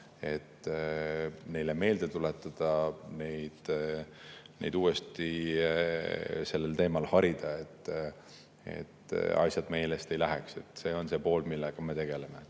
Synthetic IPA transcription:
e̞t̪ː | ne̞jleme̞ːld̪e̞t̪ulet̪ːˑɑd̪̥ɑne̞jd̪̥ | ne̞̰jd̪̥uːest̪i | se̞lːe̞lt̪e̞ːmɑlhɑɾid̪̥ɑe̞t̪ː | e̞̰t̪ːɑ̰sʲjɑd̪̥me̞ːlest̪e̞jlæɦekse̞t̪se̞ːo̞nse̞po̞ːlmilːeɡ̥ɑme̞t̪e̞ɡ̥e̞leme

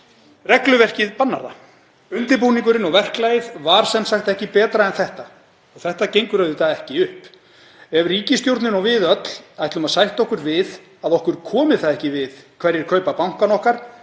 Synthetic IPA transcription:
rɛklʏvɛr̥cɪðpanːa̰ɾa̰ | ʏnt̪ɪɾpuːniŋkʏɾɪnɔɣvɛr̥klajɪðvaɾ̥sɛnsaxt̪ɛhcɪpɛːt̪ɾaɛnθɛht̪a | ɔθɛht̪acejŋkʏɾœɥðʏθaðɛhcɪʏhp | ɛvriːcɪst̪jowɾt̪nɪnɔɣvɪðœt̪l̥ajht̪lʏmaðsajht̪ɔhkʏɾvɪð | aðɔhkʏɾ̥kʰɔːmɪθaðɛhcɪvɪðkʰvɛɾjɛɾ̥kʰœɥpapawŋ̥kanɔhkaɾ̥

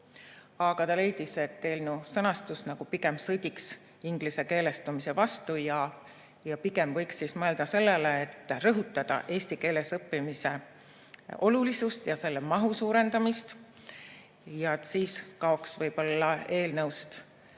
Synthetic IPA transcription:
ɑɡ̥ɑt̪ɑle̞jd̪ise̞t̪ːe̞ːlnəwsɤnɑst̪usnɑɡ̥upiɡe̞msɤd̪̥ʲiks | iŋɡ̥lise̞ke̞ːle̞st̪umise̞vɑst̪ujɑ | jɑpiɡ̥e̞mvɤjksːismɤe̞ld̪̥ɑse̞lːeleet̪ːrɤɦut̪ːˑɑd̪̥ɑ̰ʔe̞ːsʲt̪ike̞ːle̞sɤpːimise̞ | o̞lulisust̪jɑse̞lːemɑɦusuːɾe̞nd̪̥ɑmist̪ | jɑet̪siːskɑo̞ksvɤjb̥o̞lːɑe̞ːlnɤwst̪

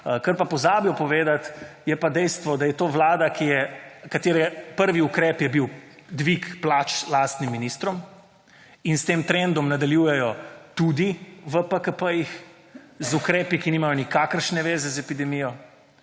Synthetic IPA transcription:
kəɾpapɔzaːbjɔpɔʋeːd̪at̪jɛpad̪ɛjst̪ʋɔd̪ajɛt̪oːʋlaːd̪akijɛkat̪eːɾɛpəɾʋiukɾɛːpjɛbiw | d̪ʋikplaːt͡ʃlaːst̪nimːinist̪ɾɔm | inst̪eːmt̪ɾɛnd̪ɔmnad̪aljuːjɛjɔt̪ud̪iʋəpəkəpəjix | zukɾɛːpikiniːmajɔnikaːkəɾʃnɛʋeːzɛzɛpid̪ɛmijɔ

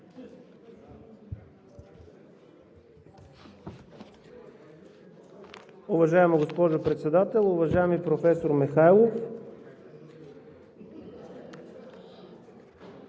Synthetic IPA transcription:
ʊvɐʒaɛməɡospɔʒopɾɛt̪sɛd̪at̪ɛlˠʊvɐʒaɛmipɾofɛsoɾmixajlˠof

